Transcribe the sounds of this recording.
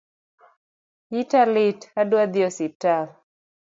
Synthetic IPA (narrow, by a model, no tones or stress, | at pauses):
italitadwad̪iɔsital